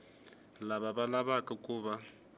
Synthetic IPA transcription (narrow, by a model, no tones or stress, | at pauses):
laβabalaβakʼakʼuːβa